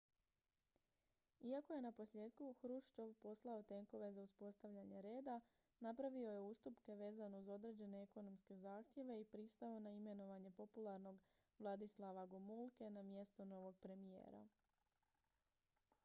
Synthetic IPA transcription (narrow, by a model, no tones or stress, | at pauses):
iako̞je̞napo̞slje̞ːd̪kuxɾuʃt͡ʃo̞ʋpo̞slˠao̞t̪e̞ŋko̞ʋe̞zauspo̞st̪aʋʎaɲe̞ɾe̞ːd̪a | napɾaʋio̞je̞uːst̪upke̞ʋe̞ːzanouzo̞d̪ɾe̞ːd͡ʑe̞neeko̞no̞mske̞zaːxt̪je̞ʋe̞ipɾist̪aonaime̞no̞ʋaɲe̞po̞pulˠaɾno̞ɡ | ʋlˠad̪islˠaʋaɡomulˠke̞namje̞st̪ono̞ʋo̞ɡ̚pɾe̞mije̞̰ːɾa̰